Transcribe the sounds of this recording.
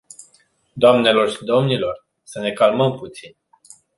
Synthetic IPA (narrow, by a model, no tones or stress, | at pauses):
d̪oamne̞lo̞rʃid̪o̞mnilo̞r | səne̞kalməmput̪sin